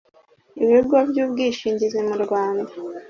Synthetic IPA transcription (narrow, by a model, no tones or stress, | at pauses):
iβeɡɡwavjuːβɡiːʃiːɲɟizemuɾɡwaːnda